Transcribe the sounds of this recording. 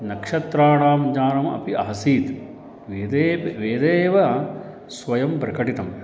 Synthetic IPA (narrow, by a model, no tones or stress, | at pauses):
nɐkʂɐt̪ɾaːɳaːmd͡ʒaːnɐmɐ̰piɐ̰ɦɐsiːt̪ | ʋed̪eʋeːd̪eːʋɐ | sʋɐjɐmpɾɐkɐʈit̪ɐm